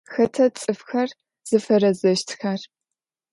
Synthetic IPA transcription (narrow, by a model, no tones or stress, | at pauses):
xɐtʰɐt͡sʼɨfxɐr | z̥ɨfɐɾɐzɐʃtʰxɐr